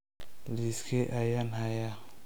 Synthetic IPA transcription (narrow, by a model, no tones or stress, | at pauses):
liskʰeʔajanhaja